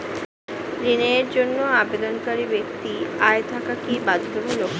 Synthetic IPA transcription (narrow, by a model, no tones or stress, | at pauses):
ɾineɾd͡ʑonːoabed̪onkaɾibek̚t̪iaet̪ʰakakibad̪ʱːobolok